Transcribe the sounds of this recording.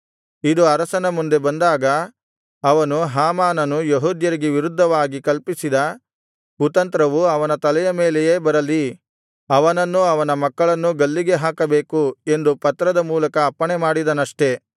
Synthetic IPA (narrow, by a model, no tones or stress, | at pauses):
id̪uɐɾɐsɐnɐmund̪e̞bɐnd̪aːɡɐː | ʋɐnuɦaːmaːnɐnujeɦuːd̪jɐɾiɡeʋiɾud̪ʱːɐʋaːɡikɐlpisid̪ɐ | kut̪ɐnt̪ɾɐʋuɐʋɐnɐt̪ɐlɛjɐme̞ːlejeːbɐɾɐli | ɐʋɐnɐnːuɐʋɐnɐmɐkːɐɭɐnːuɡɐlːiɡe̞ɦaːkɐbeːkue̞nd̪upɐt̪ːɾɐd̪ɐmuːlɐkɐːpːɐɳemaːɽid̪ɐnɐʂʈe̞